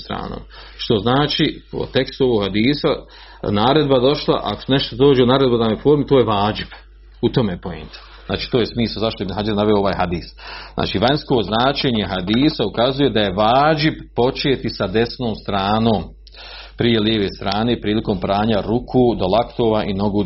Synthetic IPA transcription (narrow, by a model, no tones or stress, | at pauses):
st̪ɾa̰ːno̰ːm | ʃt̪o̞znaːt͡ʃiːo̰t̪e̞kst̪uoʋoɡhad̪iːsa | naːɾe̞d̪bad̪o̞ʃlˠa̰ʔa̰kosne̞ʃt̪od̪oːd͡ʒeunaːɾe̞d̪bod̪amofo̞ːɾmit̪o̞ːjeʋaːd͡ʒib̥ | ut̪omejepoḛnt̪ḁ | zna̰ːt͡ʃiːt̪oːjesmiːslazaʃt̪oemnɦad͡ʒaɾnaʋeoo̞ʋaːjɦad̪iːsznʔa̰ːt͡ʃiːʋaɲsko̞ːznaːt͡ʃe̞ːɲe̞ɦad̪iːsaukazuje̞d̪ajeʋaːd͡ʒibpo̞t͡ʃe̞ːt̪isad̪e̞sno̞ːmst̪ɾaːno̞ːm | pɾije̞ljeːʋe̞ːst̪ɾaːne̞ːpɾiːliko̞ːmpɾaːɲaɾukʰuːd̪o̞lˠakt̪oːʋaʔino̞ɡuː